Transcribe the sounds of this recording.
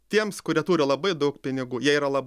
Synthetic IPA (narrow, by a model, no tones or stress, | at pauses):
t̪ʲiɛmskʊɾʲiɛt̪uːɾʲɪlˠɐbɐɪd̪ɐʊkpʲɪnʲɪɡuːjiɛiːɾɐlˠɐb